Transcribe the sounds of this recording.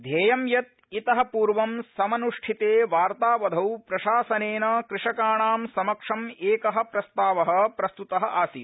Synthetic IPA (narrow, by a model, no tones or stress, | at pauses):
d̪ʱeːjɐmjɐt̪̚ | it̪ɐɦɐ̆puːɾʋɐmsɐmɐnuʂʈʰit̪eːʋaːɾt̪aːʋɐd̪ʱɐwpɾɐʃaːsɐneːnɐkɾɪʂɐkaːɳaːmsɐmɐkʂɐmeːkɐɦɐ̆pɾɐst̪aːʋɐɦɐ̆pɾɐst̪ut̪ɐɦɐ̆ʔaːsiː